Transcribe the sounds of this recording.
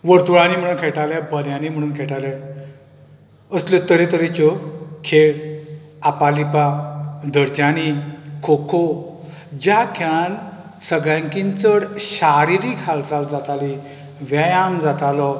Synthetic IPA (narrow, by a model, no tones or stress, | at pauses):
ʋəɾt̪uɭãnim̤əɽ̃uːnkʰɛʈalɛbəljãnim̤əɽ̃uːnkʰɛʈalɛ | əslɔt̪əɾet̪əɾet͡ɕɔkʰeɭ | apalipad̪əɾd͡ʑanikʰokʰo | d͡ʑakʰan | səɡɭjãŋkint͡səɽɕaɾiɾikʰalt͡sald͡zat̪ali | ʋajãmd͡zat̪alɔ